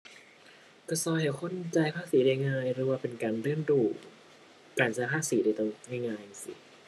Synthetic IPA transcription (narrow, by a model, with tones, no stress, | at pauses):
kɔ˧˩sɔː˧˩jha˧˩kʰo˧˥˨nt͡ɕa˧jpʰaː˧˥˩siː˨˦daː˧jŋaː˧jɾɯː˩˦waː˧˩pe˧nkaː˧nɾɯ˥˩ənduː˧˩ | kaː˧˩nsa˧pʰaː˥˩siː˩˦daː˧t̪o˧ŋna˧˩jŋaː˧ja˧˩sḭ˨˦